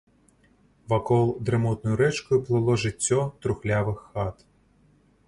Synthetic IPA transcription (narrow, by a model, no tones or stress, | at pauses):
ʋɐkɔlˠd̪ɾemɔt̪nɔjʊɾɛt͡ʃkɔjʊplˠɪlˠɔʒɪtʲːɔt̪ɾʊxlʲaʋɪxːɑt̪